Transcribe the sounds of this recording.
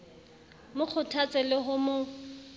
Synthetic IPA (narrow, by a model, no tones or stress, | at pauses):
mʊk͡xʰʊtʰat͡sʼɪlɪɦʊmʊ